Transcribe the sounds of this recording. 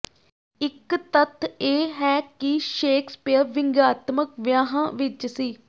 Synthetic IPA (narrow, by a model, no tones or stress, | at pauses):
ɪkt̪ət̪ʰːeːɦɛːkɪʃeːkspɪjəɾʋɪŋɡaːt̪məkʋjaːɦãːʋɪt͡ʃsiː